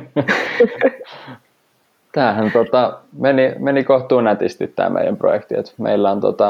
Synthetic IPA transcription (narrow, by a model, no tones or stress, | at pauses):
t̪æːɦænt̪ot̪ɑmenimenikoht̪uːnæt̪ist̪it̪ːæ̰ːmʔḛijæ̰mpro̰jekt̪iḛt̪mḛilːæont̪o̰t̪ɑ